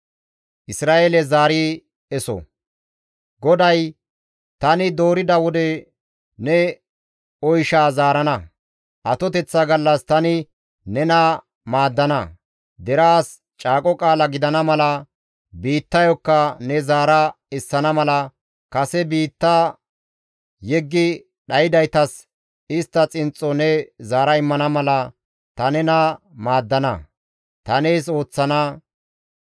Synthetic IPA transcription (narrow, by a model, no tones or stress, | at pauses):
ʔɪsɾaːʔelɛzaːɾi | ɛsɔ̰ | ɡɔd̪ɐj | t̪ɐnɪd̪o̞ːɾɪd̪ɐwɔd̪ɛ | nɛ | ɔjʃaːzaːɾɐnɐ | ʔɐt̪ɔt̪ɛt͡sːɐɡɐlːɐst̪ɐnɪ | nɛna | maːd̪ːɐnɐ | d̪ɛɾaːs | t͡ʃʼaːkʼɔkʼaːlɐɡɪd̪ɐnɐmɐlɐ | biːt̪ːɐjɔkːɐnɛzaːɾɐ | ɪsːɐnɐmɐlɐ | kɐsɛbiːt̪ːaː | jɛɡːɪ | ɗɐjɪd̪ɐjt̪ɐs | ɪst̪ːɐt͡sʼɪnt͡sʼːɔnɛzaːɾɐɪmːɐnɐmɐlɐ | t̪ɐnɛnɐ | maːd̪ːɐnɐ̰ | t̪ɐneːso̞ːt͡sːɐnɐ